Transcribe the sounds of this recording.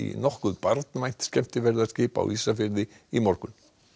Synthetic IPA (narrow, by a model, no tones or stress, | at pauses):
ḭnɔhkʏðpaɾt̪nvajn̥t̪scɛm̥t̪ɪvɛɾðḁscɪːpa̰wiːsafɪɾðɪ | imɔɾkʏn